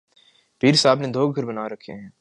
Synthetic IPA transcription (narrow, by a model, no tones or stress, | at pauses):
piːɾsaːbned̪ʱoːɡ̚ɡʱɐɾbɐnaːɾɐkʰḛɦɛ̃ː